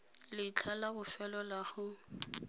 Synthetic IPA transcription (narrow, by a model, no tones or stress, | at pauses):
lɪt͡ɬʰalaɣʊfɛlɔlaɣʊ